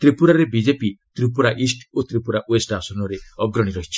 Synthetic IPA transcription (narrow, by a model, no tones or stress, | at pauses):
t̪ɾipuɾaɾebid͡ʒepit̪ɾipuɾaʔisʈot̪ɾipuɾaʔwesɖasɔnɔɾeɔɡɾɔɽ̃iɾɔɦit͡ʃʰi̥